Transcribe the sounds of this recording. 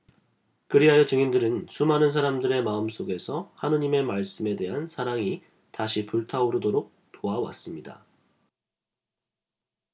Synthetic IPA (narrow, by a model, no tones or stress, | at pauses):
kɯɾiɦajʌt͡ɕɯŋindɯɾɯnsʰumɦanɯnsʰaɾamdɯɾe̞maɯms͈oɡe̞sʰʌhanɯɲime̞maɭs͈ɯme̞de̞ɦansʰaɾaŋi | taɕʰipuɭtʰaoɾɯdoɾok̚ | t͈oawa̰s͈ɯmɲida̰